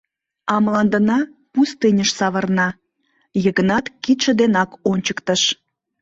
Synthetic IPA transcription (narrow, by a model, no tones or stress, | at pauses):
ɑmlɑnd̪ənɑpust̪ɨnʲəʃsɑβərnɑ | jəɣənɑt̪kit̪ʃəd̪enɑkonʲt͡ɕəkt̪əʃ